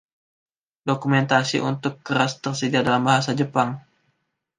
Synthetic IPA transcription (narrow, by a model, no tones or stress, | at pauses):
dokumɛnt̪asḭʔṵnt̪ʊkːəɾast̪ərsədiadalambaɦasad͡ʒəpaŋ